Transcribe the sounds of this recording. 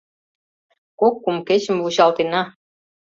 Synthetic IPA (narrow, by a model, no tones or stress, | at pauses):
kokːumket͡ɕə̆mvuɕɑlt̪enɑ